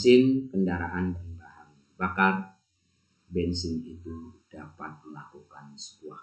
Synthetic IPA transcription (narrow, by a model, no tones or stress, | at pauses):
sɪnkəndaɾaʔanbənbahaŋ | bakar | bɛnsɪnit̪ud̥apat̪̚məlakukansə̥buah